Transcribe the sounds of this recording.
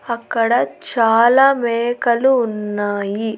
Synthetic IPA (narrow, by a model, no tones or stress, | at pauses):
ɐkːɐɽɐt͡ʃaːlaːmɛːkɐluːnːaːji